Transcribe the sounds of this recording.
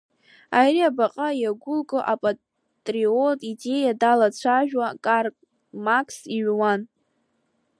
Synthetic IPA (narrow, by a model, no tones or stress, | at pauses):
ajriabaqʼajaɡʷʊlkʼɨʔapʼa | tʼriotʼide̞jadalat͡ɕʷʰaʒᶣwakʼarkʼ | makʰʼsiɥwan